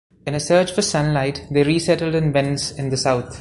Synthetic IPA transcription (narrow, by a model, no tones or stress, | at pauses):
ɪ̃nəsɜːt͡ʃfəsʌ̃nlaɪʈd̪eːɾiːsɛʈəl̩ɖɨ̃nʋɛ̃nsɪ̃nd̪əsaʊt̪ʰ